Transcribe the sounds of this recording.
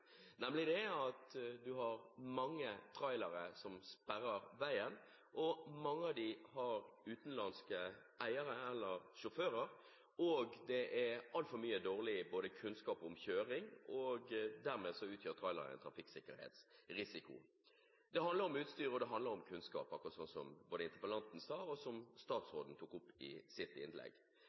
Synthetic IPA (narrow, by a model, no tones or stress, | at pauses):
nɛmlɪd̪ɛɑt̪d̪ʉɦɑɾmɑŋːət̪ʰɾɑɪlɑɾəsɔmspæɾːəɾʋæɪən | ʔɔmɑŋːəɑd̪ɪhɑɾʉːt̪n̩lɑnskə | ʔæɪəɾəɛlːəɾʂʊføːɾəɾ | ɔɡd̪ɛʔɛɾɑlt̪fɔɾmyːəd̪oːʁlɪboːd̪əkʰʉnskɑːpɔmçøːɾɪŋɔɡd̪æʁmeːsɔʉːt̪jøːɾt̪ʰʁɑɪlə̰ɾæ̰ɪnt̪ʰɾɑfɪksɪkːəɾhḛːt̪sɾɪsɪkʊ̰ | d̪ɛɦɑnd̪ləɾɔmʉːt̪st̪yːɾəɔd̪ɛɦɑnd̪ləɾɔmkʰʉnskɑ̰ːpɑkːɾʁɑt̪sɔnsɔmboːd̪ɪnt̪əpəlɑnt̪n̩sɑːɔsɔmst̪ɑːt̪sʁoːd̪n̩t̪ʰuːkʊpːɪ̰sɪt̪ːɪ̰nlɛ̰ɡ